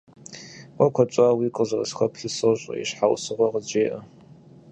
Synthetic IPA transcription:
wʷɐkʷʰɔt͡ʃʷʼaːwiːkʼəzɐrɐsxʷɐpʰɬɨsɨɕʼɐ̰ḭɕħawsɨʁʷɐʁəd͡ʒeːʔɐ

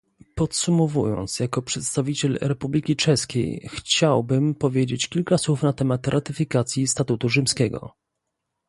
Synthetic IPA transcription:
pɔt̪sumɔvujɔ̰nt̪sjakɔpʂɛt̪st̪avʲit͡ɕɛlɾɛpublʲikʲit͡ʂɛskʲḛjxt͡ɕawbɘmpɔvʲjed͡ʑet͡ɕkʲilkaswufnat̪ɛmat̪ɾʔat̪ɘfʲikat̪sʲjist̪at̪ut̪uʐɘmskʲɛɡɔ̰

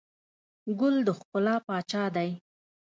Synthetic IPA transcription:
ɡʊld̪əxkʊlɑpɑt͡ʃɑd̪aj

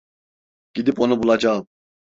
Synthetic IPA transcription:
ɡ̥id̪iponubulˠɑd͡ʒɑ

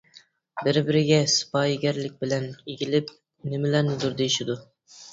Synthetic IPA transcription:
bɪɾbɪɾɪɡʲɛsɨ̥pɑjɡʲæɾlɪk̚ʲbɪlɛneɡʲilɪp̚ | nɪmɪlæɾnɪd̪uɾd̪ejiʃɪd̪u

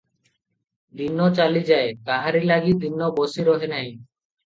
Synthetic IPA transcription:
d̪inːot͡ɕalid͡ʑaekaɦaɾilaɡid̪inːobosiɾɔɦenaj

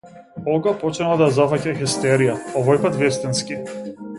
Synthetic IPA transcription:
ɔɡapɔt͡ʃnalˠad̪ajazafacaxɛst̪ɛɾijaɔvɔjpat̪vɛst̪ɛnskʲi

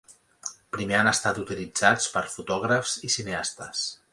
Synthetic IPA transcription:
pɾimeanəst̪at̪ut̪ilid͡zat͡spəɾfut̪ɔɣɾəfz̥isineast̪əs

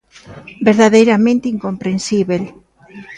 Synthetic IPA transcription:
beɾðaðejɾamẽnt̪eiŋkompɾensiβel

